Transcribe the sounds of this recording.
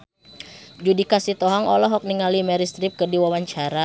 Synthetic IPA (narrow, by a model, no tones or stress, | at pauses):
d͡ʒudikasit̪ɔɦaŋɔlɔɦɔk̚niŋalimɛɾist̪ɾip̚kərdiwawaɲt͡ʃaɾa